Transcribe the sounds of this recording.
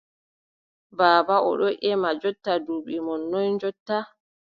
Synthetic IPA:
baːbaɔ̰ɗɔʔɛmad͡ʒɔtːaduɓimɔnːɔnd͡ʒɔtːa

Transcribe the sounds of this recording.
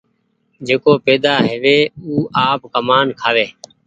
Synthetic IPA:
d͡ʒeːkoːpeːd̪aːɦeʋeːuːʔaːpkəmaːnkʰaːʋeː

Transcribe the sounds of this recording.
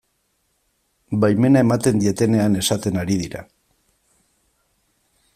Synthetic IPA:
bajme̞nae̞mat̪e̞nd̪ie̞t̪e̞ne̞ane̞sat̪e̞naɾiðiɾa̰

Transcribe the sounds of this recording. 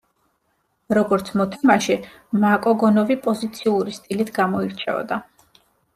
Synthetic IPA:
ɾɔɡɔɾt̪sʰmɔt̪ʰamaʃɛ | makʼɔɡɔnɔvipʼɔzit̪sʰiuɾist̪ʼilit̪ʰɡamɔiɾt͡ʃʰɛ̰ɔ̰d̪a

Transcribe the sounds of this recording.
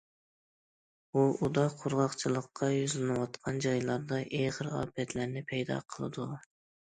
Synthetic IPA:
buud̪ɑqʰʊɾʁɑqt͡ʃʰilˠəqːɑjyzlɪnɨwɑt̪qʰɑnd͡ʒɑjlˠɑɾd̪ɑʔeʁəɾɑ̰ːpʰɛt̪læɾnɪpʰɛjd̪ɑ̰qʰəlˠɨ̰d̪u

